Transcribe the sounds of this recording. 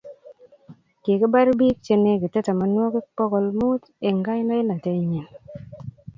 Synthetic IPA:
ke˨kɪ˦ba˦ɾbi˦k̚t͡ʃe˦ne˦kɪ˨te˦ta˨ma˨˦nwɔ˦kɪ˦k͡pɔ˦ɡɔ˨lmu˦t̪ | e˨ŋɡa˦jnɔ˦ɪ˦na˨te˦ɲe˨n

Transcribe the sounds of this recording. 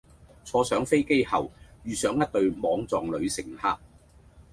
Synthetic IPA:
t͡sʰɔː˧sœː˨˥ŋfe˥jke˥jhɐ̰˨wjyː˨˧sœː˨˥ŋjɐ˥t̚t̪ɵ˧ɥmɔː˨˧ŋt͡sɔː˨ŋlɵ˨˧ɥsɪ˨˩ŋhaː˧k̚

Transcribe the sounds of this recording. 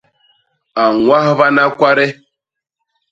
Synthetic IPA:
a˨ŋʷa˦ɦβa˦na˦kʷa˦ɾe˦

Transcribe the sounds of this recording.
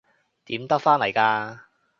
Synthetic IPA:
t̪iː˨˥mt̪ɐ˥k̚faː˥nlɐ˨˩jkaː˧

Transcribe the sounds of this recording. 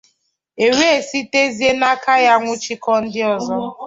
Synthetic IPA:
e˨ɾe˦e˨si˦te˦zi˦e˦na˦ka˦ja˦ŋʷʊ˦t͡ʃi˦kɔ˦n̩˦dɪ˦ɔ˨zɔ˦

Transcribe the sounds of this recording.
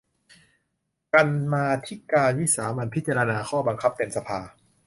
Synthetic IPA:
ka˧nmaː˧t̪ʰi˦˥kaː˧nwi˦˥saː˩˦ma˧npʰi˦˥t̪̚t͡ɕaː˧ɾa˧naː˧kʰɔː˥˩ba˧ŋkʰa˦˥p̚t̪e˧msa˧pʰaː˧

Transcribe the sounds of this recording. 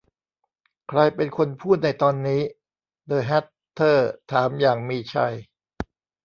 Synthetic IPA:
kʰɾa˧jpe˧nkʰo˧npʰuː˥˩t̪̚na˧jt̪ɔː˧nːiː˦˥ | dɤː˧˩ɦɛ˦˥t̪ʰːɤː˥˩t̪ʰaː˩˦mjaː˨˩ŋmiː˧t͡ɕʰa̰˧˩j

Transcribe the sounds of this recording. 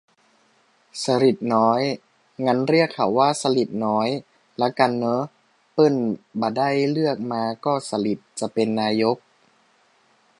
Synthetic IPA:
sa˧ɾi˨˩t̪̚nɔː˦˥j | ŋa˦˥nɾi˥˩əkʰːa˨˩wːaː˥˩sa˧li˨˩t̪̚nɔː˦˥j | lɛ˦˥wka˧nːɤː˦˥ | pɤ˥˩nbaː˨˩da˥˩jlɯ˥˩ək̚maː˧kɔː˥˩sa˧li˨˩t̪̚t͡ɕa˨˩pe˧nːaː˧jo˦˥k̚

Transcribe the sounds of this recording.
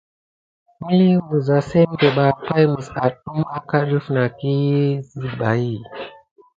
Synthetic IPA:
mi˦li˦mu˨za˨se˦m˦be˨ɓa˨pa˦jmu˨sa˨tɗu˦ma˦ka˦ɗu˦fna˨ki˦zi˦ba˨i˦˨

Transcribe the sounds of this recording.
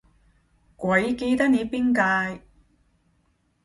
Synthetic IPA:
kʷɐ˨˥jke˧t̪ɐ˥k̚ne˨˧jpiː˥nkaː˧j

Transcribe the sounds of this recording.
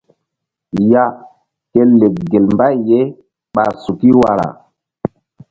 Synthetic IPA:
ja˦ | ke˦le˨k̚ɡe˨lmba˦jːe˦ | ɓa̰˨su˨ki˦wa˨ɾa̰˨

